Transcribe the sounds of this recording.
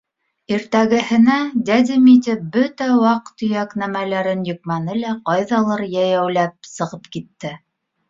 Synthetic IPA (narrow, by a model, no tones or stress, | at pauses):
iɾt̪æɡɘ̆hɘ̆næd̪ʲæd̪ʲimit̪ʲɘpbɵt̪æwɑqt̪ɵ̆jæknæmælæɾɘnjŏq̚mænɘlæqɑjðɑlˠɤɾjæjæwlæp̚sɤ̆ʁɤpkit̪ːɘ